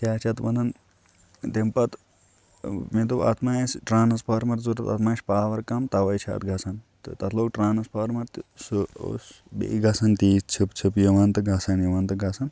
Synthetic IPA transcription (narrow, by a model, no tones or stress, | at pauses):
kʲaːt͡ʃʰɐt̪ʋɐnɐn | t̪empɐt̪ | med̪ua̰ːt̪maːjɐsʈɾaːnɐspaːɾmɐɾzuɾɐt̪ɐ̰t̪maːsʲpaːʋɐɾkɐmt̪ɐʋɐjt͡ʃʰa̰ːt̪ɡʱɐsɐnt̪ɨt̪ɐt̪ʰloːkʈɾaːnɐspaːɾmɐɾt̪suo̰s | bḛiɡʱɐsɐnt̪iːst͡ʃʰipt͡ʃʰipjɐʋant̪ɨɡʱɐsɐnjɐʋɐːnt̪ɨɡʱɐsɐn